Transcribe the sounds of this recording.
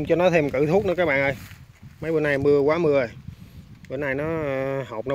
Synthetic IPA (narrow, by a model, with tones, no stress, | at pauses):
ŋ͡mt͡ɕɔ˧nɔ˨˦t̪ʰe˧mkɨ̰˧˨˩t̪ʰu˦˥t̚nɨ˧˦kaː˦˥k̚ɓaː˧˨ʔə˧jmə˨˦jɓo˧˩nːa˧˩jmɨ˧əkwaː˨˦mɨ˧əə˨˩ɓo˧˩na˧jnɔ˨˦hə˨˩k͡p̚nɔ˨˦